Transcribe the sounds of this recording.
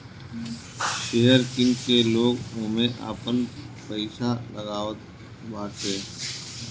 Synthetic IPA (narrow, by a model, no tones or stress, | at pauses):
ʃeɦəɾkɪŋkeloːɡõːmẽʔa̰ːpən | pəɪʃaləɡaːʋət̪ | baːseː